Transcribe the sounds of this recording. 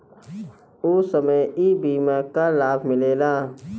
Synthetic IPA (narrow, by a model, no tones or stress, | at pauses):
oːsəməjiːbiːmakalaːbʱmɪleːlaː